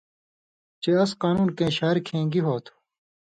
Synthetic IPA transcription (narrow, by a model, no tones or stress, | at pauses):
t͡ɕeɐsqaːnuːnkẽːɕaːɾkʰẽːŋɡiɦoːt̪ʰu̥